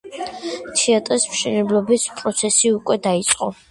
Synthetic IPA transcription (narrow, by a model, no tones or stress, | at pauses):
t̪ʰiat̪ʼɾismʃɛnɛblɔbispʼɾɔt̪sʰɛsiukʼwɛd̪ait̪sʼqʼɔ